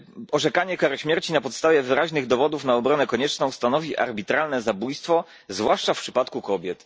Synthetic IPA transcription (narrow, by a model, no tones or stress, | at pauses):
ɔʐɛkaɲɛkaɾɕmʲjɛɾt͡ɕinapɔt̪st̪avʲjɛvɘɾaʑnɘɣd̪ɔvɔd̪ufnaɔbɾɔnɛkɔɲɛt͡ʂnɔ̃w̃st̪anɔvʲiʔa̰ɾbʲit̪ɾalnɛzabujst̪fɔ | zvwaʂt͡ʂafpʂɘpat̪kukɔbʲjɛt̪